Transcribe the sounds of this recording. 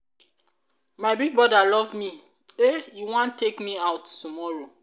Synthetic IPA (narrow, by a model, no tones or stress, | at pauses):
maɪbiɡ̚bɹɔdalɔvmi | ejuwãntʰːekmiaʊtːumɔɹo